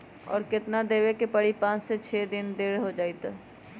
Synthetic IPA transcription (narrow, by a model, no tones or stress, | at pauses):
ɔ̰ːɾkɪt̪nad̪eːwekepəɽ̤ipãːt͡ʃset͡ʃʰɛːd̪ɪnd̪eːɽɦod͡ʒaːit̪ː